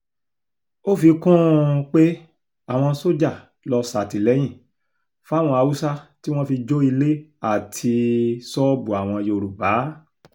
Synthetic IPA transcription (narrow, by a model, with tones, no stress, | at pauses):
o˦fi˧kũ˦k͡pe˦ | a˦˨w̃ɔ̃˧so˦d͡ʒa˦˨ | lɔ˧sa˨ti˨lɛ˨˦j̃ĩ˦˨ | fa˦w̃ɔ̃˧a˧u˦sa˦ti˦w̃ɔ̃˦fi˧d͡ʒo˦i˧le˦a˦˨tʰi˧sɔ˦bu˨a˨w̃ɔ̃˧je˧o˧ɾu˨ba˨˦